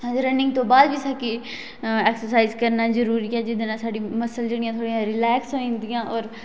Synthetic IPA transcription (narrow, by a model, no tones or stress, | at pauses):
sãːnd͡ʒeɾənɪ̃ŋɡ̚t̪õːbaːd̪ʋiːsaːkɪ | ɛːksəɾsaːizkəɾnaːzəɾuːɾiːɛːd͡ʒɪd̪eːnãːsaːɖiːməsəld͡ʒeɽɪjãːt̪ʰoːɽijãːɾɪlɛːksɦoĩːnd̪ɪjãːʔɔːɾ